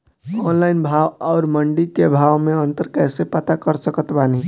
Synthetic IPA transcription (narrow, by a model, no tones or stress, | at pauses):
ɔːnlaːɪnbʱaːʋɔːɾməɳɖikebʱaːʋmẽə̃nt̪əɾkɛːsepət̪akəɾsəkət̪baːni